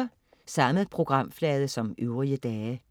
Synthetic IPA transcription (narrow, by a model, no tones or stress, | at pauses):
sɑ̈məð̩ˠpʰʁo̝ɡ̥ʁɑ̈m̰flɛːð̞ˠəsɒ̽møʊʁiəd̥ɛː